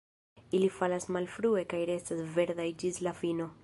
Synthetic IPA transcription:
ilifalasmalfɾue̞kajɾe̞stasve̞ɾd̪ajd͡ʒislafino̞

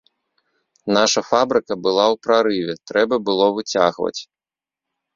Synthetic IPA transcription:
naʂɐfabɾɨkɐbɨlˠawpɾaɾɨvʲɛt̪ɾɛbɐbɨlˠɔvɨt͡sʲaɣvɐ̰t͡sʲ

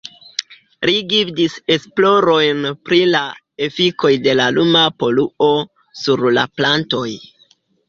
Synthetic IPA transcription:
liɡifdise̞splo̞ɾo̞jnpɾila | e̞fiko̞jde̞lalumapo̞luo̞ | suɾla̰planto̞j

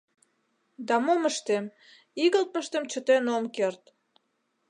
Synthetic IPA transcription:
d̪ɑmoməʃt̪em | iɣə̆lt̪̚mə̆ʃt̪emt͡ɕə̆t̪enomkert̪

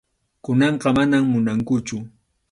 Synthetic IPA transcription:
kʊnɑɴqɑmanammʊnaŋkʊt͡ʃʊ

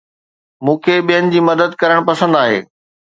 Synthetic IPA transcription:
mũːkʰeɓijənɪ̆d͡ʑiːmɐd̪əd̪kɐɾəɽ̃pɐsə̃nd̪aːɦḛː

